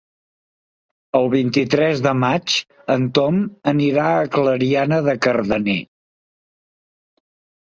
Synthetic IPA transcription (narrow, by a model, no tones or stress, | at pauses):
əlˠβint̪it̪ɾɛzðəmat͡ʃ | ənt̪ɔməniɾaəkləɾianəðəkərðəne